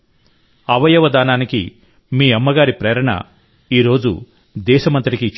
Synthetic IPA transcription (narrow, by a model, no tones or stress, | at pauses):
ɐʋɐjɐʋɐd̪aːnaːniki | miːɐmːɐɡaːɾipɾeːɾɐɳɐ̰ | iːɾo̞ːd͡ʒṵ | d̪ɛːʃɐmɐnt̪ɾikit͡ʃ